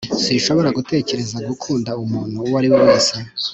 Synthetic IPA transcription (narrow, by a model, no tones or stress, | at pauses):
siʃo̞βo̞ɾaɡute̞ːce̞ɾe̞zaɡukʰuːndaumuːn̥huwaɾiwoweːse